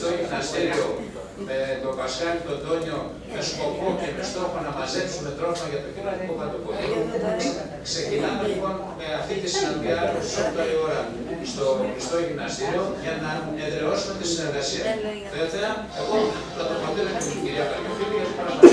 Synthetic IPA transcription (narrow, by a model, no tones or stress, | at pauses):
t̪oʝivnɐst̪iɾio̞ | met̪o̞pɐskɐɾit̪o̞nd̪o̞ɲo̞ | me̞sko̞po̞cemist̪oponɐmɐze̞psume̞t̪ɾo̞fmɐʝɐt̪o̞citɐt̪ikopɐnd̪opolit̪ | kse̞cinɐme̞lipo̞n | me̞ɐft̪it̪isinɐnd̪iɐoi̥sopot̪ɐio̞ɾɐ | st̪o̞xɾist̪o̞ʝivnɐst̪iɾio̞ʝɐnɐ | eðɾeo̞sume̞t̪isineɾɣɐsiɐ | θeθeɐ | e̞ɣo̞ | lɐt̪ofoot̪inɐt̪iniciɾiɐpɐmifiluʝɐft̪ipɾɐm